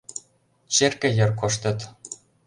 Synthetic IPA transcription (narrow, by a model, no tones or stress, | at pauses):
t͡ɕerkʲɘ̆jɤ̆rkŏʃt̪ʲɤ̆t̪